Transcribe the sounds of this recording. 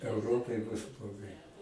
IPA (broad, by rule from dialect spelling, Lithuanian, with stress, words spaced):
ɛʊˈroːpɐɪ bʊs blˠoːˈɡɐɪ